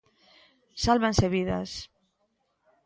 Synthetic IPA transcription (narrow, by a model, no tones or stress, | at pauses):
salβenseβiða̰s